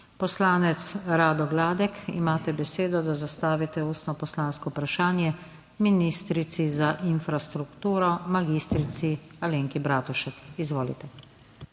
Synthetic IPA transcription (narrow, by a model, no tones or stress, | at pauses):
pɔslaːnɛt̪sɾaːd̪ɔɡlaːd̪ɛkḭmaːt̪ɛbɛseːd̪ɔd̪azast̪aːʋit̪ɛuːst̪nɔpɔslaːnskɔupɾaʃaːnjɛ | minist̪ɾit̪sizaʔinfɾast̪ɾukt̪uːɾɔmaɡist̪ɾit̪sialeːŋkibɾaːt̪uʃɛkizʋoːlḭt̪ɛ